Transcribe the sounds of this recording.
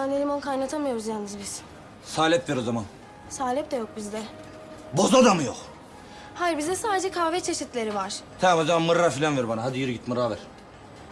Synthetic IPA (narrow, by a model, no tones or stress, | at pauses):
anelʲimonkʰajnat̪ʰamajoɾuzjaːnɯzbiz̥ | saːlʲɛpveɾozaman | saːlʲɛp̚d̪ɛjo̞k̚bizd̪ɛ | bozad̪amɯjo̰k | hajiɾbizd̪ɛsaːd̪ed͡ʒɛkʰaːvɛt͡ʃʰe̞ʃit̪lʲe̞ɾivaɾ̥t̪ʰamazamanmɯɾafilʲanveɾbanaɦad̪ijiɾiɡɟit̪mɯɾavæɾ̥